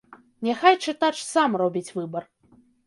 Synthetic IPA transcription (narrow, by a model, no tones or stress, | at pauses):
nʲɛxajt͡ʂɨt̪at͡ʂsamrɔbʲit͡sʲvɨbɐr